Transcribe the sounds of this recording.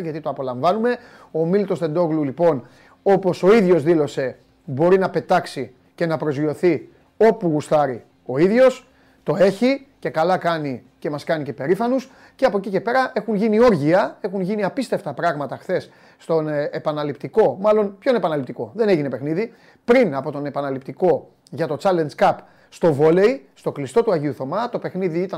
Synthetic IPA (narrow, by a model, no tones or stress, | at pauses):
ʝɐt̪it̪oɐpo̞lɐɱvɐnume̞ | o̞milit̪o̞st̪e̞nd̪o̞ɣlulipo̞n | o̞po̞so̞iðʝo̞zðilo̞se̞ | bo̞ɾinɐpe̞t̪ɐksi | ce̞nɐpɾo̞zio̞θi | o̞puɣust̪ɐɾi | o̞iðʝo̞s | t̪o̞e̞çice̞kɐlɐkɐnice̞mɐskɐnice̞pe̞ɾifɐnus | ce̞ɐpo̞cicepe̞ɾɐʔe̞xunʝinio̞ɾʝiɐe̞xunʝiniɐpist̪e̞ft̪ɐpɾɐɣmɐt̪ɐxθe̞sː | t̪o̞nepɐnɐlipt̪iko̞mɐlo̞npço̞ne̞pɐnɐlipt̪iko̞ðe̞ne̞ʝinepe̞xniði | pɾinɐpo̞t̪o̞ne̞pɐnɐlipt̪iko̞ | ʝɐt̪o̞t͡sɐle̞nd͡zkɐp | st̪o̞vo̞le̞jst̪o̞klist̪o̞t̪uɐʝiuθo̞mɐt̪o̞pe̞xniðiit̪ɐ